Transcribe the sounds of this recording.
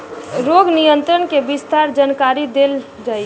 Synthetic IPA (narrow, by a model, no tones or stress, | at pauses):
ɾoːɡnijə̃nt̪ɾənkebɪst̪aːɾd͡ʒankaːɾid̪eːl | d͡ʒaːi